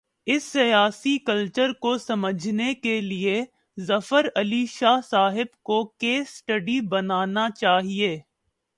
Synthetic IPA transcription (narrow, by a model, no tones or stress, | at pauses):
ɪsːɐjaːsikɐlt͡ʃəɾkosɐməd͡ʒʱnekelie | zɐfəɾɐliʃaːɦsaːɦɪbkokeːsʈəɖibɐnaːnat͡ʃaːɦieː